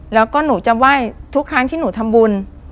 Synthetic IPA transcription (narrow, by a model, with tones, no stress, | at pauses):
lɛː˦˥wkɔː˥˩nuː˩˦t͡ɕa˨˩waː˥˩jt̪ʰu˦˥kʰɾaː˦˥ŋt̪ʰiː˥˩nuː˩˦t̪ʰa˧mbu˧n